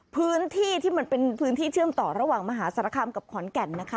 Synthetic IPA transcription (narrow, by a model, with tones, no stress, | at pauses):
pʰɯː˦˥nt̪ʰiː˥˩t̪ʰiː˥˩ma˩˧npe˧npʰɯː˦˥nt̪ʰiː˥˩t͡ɕʰɯ˥˩əmt̪ɔː˨˩ɾa˧waː˨˩ŋma˧ɦaː˩˦sa˧ɾa˧˦kʰa˧mka˨˩p̚kʰɔː˨˩˦nkɛ˨˩nːa˦˥kʰa˦